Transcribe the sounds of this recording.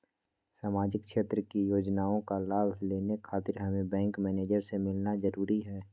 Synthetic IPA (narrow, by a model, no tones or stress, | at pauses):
saːmaːd͡ʒɪkʃeːt̪ɾəkijoːd͡ʒnaːõkalaːbʱleːnekʰaːt̪ɪɾɦɐmẽbɛ̃ːŋkmɛːneːd͡ʒəɾsemɪlnazɐɾuːɾiɦɛː